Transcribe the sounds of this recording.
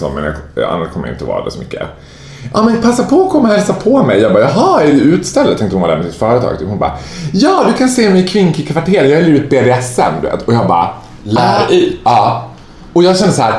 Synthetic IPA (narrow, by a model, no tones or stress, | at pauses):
sɔ̰mɛ̰njɑ̰a̰nːaʂkʰɔmːəj̰ɪ̰t̪əɔvɑ̰ːɾa̰d̪ɛ̰sɔmʏkːə̰ | ʔɑ̰ːmɛnpʰasːapʰɔkʰɔmːhɛlsapʰɔmɛjjɑːɡbɑːjɑɦɑːæɖɵʉ̟ːt̪st̪ɛlːd̪t̪ʰɛ̃ŋkt̪əhʊnvad̪æɾmɛsɪt̪fœːɾət̪ʰɑ̰ːɡ̚t̪ʰɪhʊnbɑ̰ːjɑːd̪ɵkʰanseːmɛjkʰvɪnkɪkʰvaʈʰeːɾjɑhabliːvɪt̪̚beːd̪eːɛsːə̰md̪ɵvḛːt̪ʰɔjɑːɡbɑ̰ː | læːɾɛɑː | ɔjɑːɡɕɛnd̪əsɔhæːɾ